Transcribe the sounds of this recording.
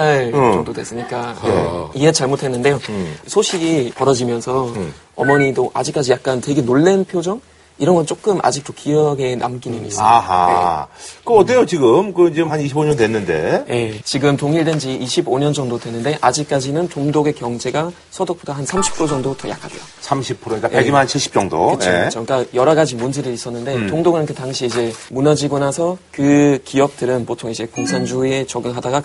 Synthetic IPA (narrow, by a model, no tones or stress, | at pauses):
aɭt͡ɕʌŋdodwe̞s͈ɯɲik͈a | ie̞t͡ɕaɭmotʰwe̞nːɯnde̞josʰoɕʰiɡipʌɾʌd͡ʑimjʌnsʰʌ | ʌ̰mʌɲidoʔad͡ʑik͈ad͡ʑijak̚k͈antwe̞ɡe̞noɭːe̞npʰjod͡ʑʌŋ | iɾʌnɡʌnt͡ɕ͈ok͈ɯmʔa̰d͡ʑik̚t͈okijʌɡe̞na̰mk͈inɯnḭaɦa̰ekɯʌt͈ejot͡ɕiɡɯmkɯid͡ʑehaniɕʰiboɲʌndwenːɯnde̞̰je̞t͡ɕiɡɯmtoŋiɭdwend͡ʑiʔːɕʰiboɲʌnd͡ʑʌŋdodwe̞nːɯnde̞ʔad͡ʑik͈ad͡ʑinɯntoŋdoɡe̞kjʌŋd͡ʑe̞ɡa | sʰʌdok̚p͈odaɦansʰamɕʰi̥pʰɯɾod͡ʑʌŋdotʌ̰ja̰kʰadḛjosʰamɕʰipʰɯɾoɲikaeɡimnant͡ɕʰiɭɕ͈ʰi̥p̚t͡ɕ͈ʌŋdo̰ɯjt͡ɕʰoeɯt͡ɕʰok͈ajʌɾaɡad͡ʑimund͡ʑiɾɯɾis͈ʌnːɯnde̞toŋdoɡɯnkʰetaŋɕʰiːd͡ʑe̞munʌd͡ʑiɡonasʰʌkɯkiʌp̚t͈ɯɾɯnpotʰoŋid͡ʑe̞koŋsʰand͡ʑue̞t͡ɕʌɡɯŋɦadaɡa